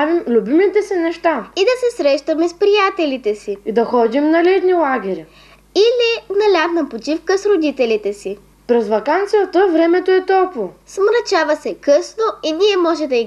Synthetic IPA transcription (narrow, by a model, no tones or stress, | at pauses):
avimlʲubimit̪ɛsɛnɛʃt̪aid̪ɐsɛsɾɛʃt̪ɐmɛspɾijat̪ɛlit̪ɛsiid̪ɐxɔd̪imnɐlɛd̪nilˠaɡ̟ʲɛɾʲi | ilinɐlʲad̪nɐmpot͡ʃifkəsɾod̪it̪ɛlit̪ɛsi | pɾɛzvɐkant̪sijət̪əvɾɛmɛt̪oɛt̪ɔlˠkvosmɾɐt͡ʃavɐsɛkɤsnoiniɛmɔʒɛd̪ɐi